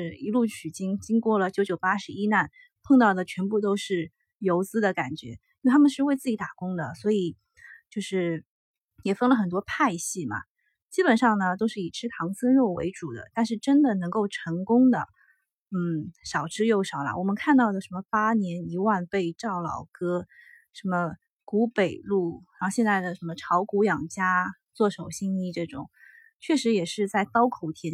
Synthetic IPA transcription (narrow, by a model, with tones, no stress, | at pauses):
ɻi˧˥lu˥˩t͡ɕʰy˨˩t͡ɕi˥ŋt͡ɕi˥ŋkwɔ˥˩lə˩t͡ɕjo˧˥ʊt͡ɕjo˨˩ʊpa˥ʂɻ̩˧˥i˥na˥˩n | pʰɤ˥˧ŋt̪ɑ˥˩ʊd̪ə˩t͡ɕʰɥɛ˧˥npu˥˩t̪o˥ʊʂɻ̩˥˩ | jo˧˥ʊt͡sɹ̩˥d̪ə˨ka˨˩nt͡ɕɥɛ̰˧˥ji˥˧˩t̪ʰa˥mə˨nʂɻ̩˥˧we˥˧ɪt͡sɹ̩˥˩t͡ɕi˧˥t̪a˨˩kʊ˥ŋd̪ə˨swɔ˧˥i˨˩˦ | t͡ɕjo˥˧ʊʂɻ̩˥˩ | jɛ˨˩fɤ˥ŋlə˨˩xə˨˩nt̪wɔ˥pʰa˥˧ɪɕi˥˩mɐ̰˩ | t͡ɕi˥pə˨˩nʂɑ˥˩ŋnə˩t̪o˥ʊʂɻ̩˥˩i˨˩ʈ͡ʂʰɻ̩˥t̪ʰɑ˧˥ŋswə˥nɻo˥˩ʊwḛ˧˥ɪʈ͡ʂu˨˩d̪ə̰˦t̪a˥˧nʂ̬ɻ̩˥˩ʈ͡ʂə˥nd̪ə˨nɤ˧˥ŋko˥˩ʊʈ͡ʂʰɤ˧˥ŋkʊ˥ŋd̪ə̰˨ | n̩˥˩ʂɑ˨˩ʊʈ͡ʂʰɻ̩˥jo˥˩ʊʂɑ˨˩ʊlɐ̰˧wɔ˨˩mə˦nkʰa˥˧nt̪ɑ˥˩ʊd̪ə˩ʂə˧˥nmə˧pa˥njɛ˧˥ni˧˥wa˥˧npe˥˧ɪʈ͡ʂɑ˥˩ʊlɑ̰˨˩ʊkɤ˥ʂə˧˥nmə˧ | ku˧˥pe˨˩ɪlu˥˩ɻɕjɛ˥˧nt͡sa˥˩ɪd̪ə˩ʂə˧˥nmə˧ʈ͡ʂʰɑ˧˥ʊku˧˥jɑ˨˩ŋt͡ɕja˥ | t͡swɔ˥˩ʂo˨˩ʊɕi˥ŋi˥˧ʈ͡ʂɤ˥˩ʈ͡ʂʊ̰˨˩˦ŋ | t͡ɕʰɥɛ˥˩ʂɻ̩˧˥jɛ˨˩ʂɻ̩˥˧t͡sa˥˩ɪt̪ɑ˥ʊkʰo˨˩ʊt̪ʰjɛ˥